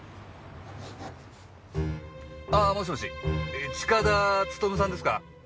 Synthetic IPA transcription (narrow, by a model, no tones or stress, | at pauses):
amoɕ̬imoɕiet͡ɕi̥kad̪at͡sɨ̥t̪omɯs̬ãnd̪e̞sɨ̥ka̰